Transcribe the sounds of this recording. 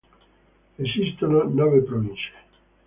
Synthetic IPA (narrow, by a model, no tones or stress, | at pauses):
esist̪ononɔvepɾovint͡ʃe̥